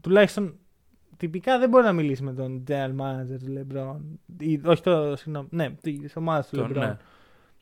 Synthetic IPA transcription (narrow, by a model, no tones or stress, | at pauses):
t̪ulɐçist̪o̞n | t̪ipikɐðebo̞ɾinɐmilisime̞t̪o̞nd͡ʒeɐnmɐnɐd͡ze̞ɾt̪ulebɾonio̞çi̥t̪osiɣnomnet̪isomɐðɐst̪ulebɾonn